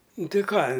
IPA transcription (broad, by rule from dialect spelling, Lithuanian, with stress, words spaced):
ˈnʊ ˈtʲɪ ˈkɑː